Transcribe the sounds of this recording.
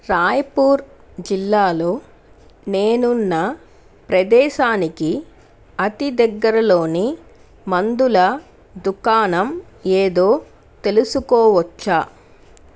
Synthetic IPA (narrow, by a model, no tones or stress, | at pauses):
ɾaːjpuːɾ | d͡ʒilːaːlo̞ː | neːnunːɐ | pɾɐd̪ɛːʃaːniki | ɐt̪id̪ɐɡːɐɾɐlo̞ːni | mɐnd̪ulɐ | d̪ukaːnɐm | eːd̪o̞ː | t̪e̞lusukɔːʋɐt͡ʃːaː